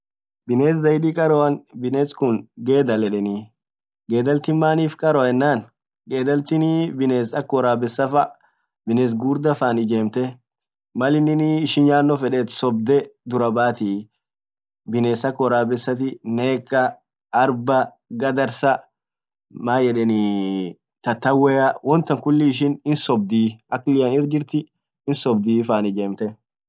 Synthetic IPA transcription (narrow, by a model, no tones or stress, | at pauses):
bɪne̞ːs̬zɐjd̪iːkʼɐɾɔɐnbɪneːskʊŋɡe̞ːd̪ɐlɛᶑɛni | ɡe̞ːd̪ɐlt̪ɪmaːniːfkʼɐɾɔɛnːaːn | ɡe̞ːd̪ɐlt̪ɪnibɪneːsɐkːɔɾaːbɛsːɐfɐ | bɪneːs̬ɡuːɾd̪ɐfaːnɪd͡ʒe̞ːmt̪ɛ | mɐlɪnɪnɪːʃɪnjaːnːɔfɛᶑɛːt̪sɔb̚d̪ɛd̪ʊɾɐbaːt̪ɪ | bɪneːsɐkːɔɾaːbɛsːɐt̪̬ɪneːkːɐː | ɾbɐ | ɡɐd̪ɐɾsɐ | maːjɛᶑɛnɪ | t̪ɐt̪ːɐwːeːɐwɔnt̪ɐŋkʊlːɪːʃ̬ɪnɪnsɔb̚d̪iːʔɐkːlɪjɐnɪɾd͡ʒɪɾt̪ɪ | ɪnsɔbd̪iːfaːnɪd͡ʒeːmt̪ɛ